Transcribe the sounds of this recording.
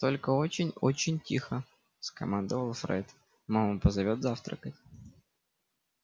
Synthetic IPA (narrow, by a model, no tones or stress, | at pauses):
t̪o̞lʲkəo̞t͡ɕɪnʲot͡ɕɪnʲtʲixə | skɐ̰mand̪əvəlˠfɾɛ̰t̪ | mamupəzɐvʲot̪zaft̪ɾə̰kətʲ